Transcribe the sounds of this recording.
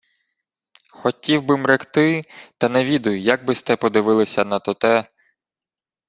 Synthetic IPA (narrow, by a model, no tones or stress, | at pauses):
xɔtʲiwbɪmɾɪxt̪ɪt̪ɐnɛʋʲid̪ʊjʊjɐɡ̚bɪst̪ɛpɔd̪ɪʋɪlˠɪsʲɐnɐt̪ɔt̪ɛ